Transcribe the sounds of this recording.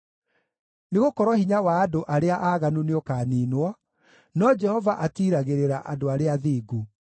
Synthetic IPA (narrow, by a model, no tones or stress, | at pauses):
neɣokɔɾwɔhiɲawaːdoʔaɾeaʔaɣanuneokaːniːnwɔ | nɔd͡ʒɛhɔvaʔatiɾaɣeɾeɾaʔadoaɾeaðiːɡu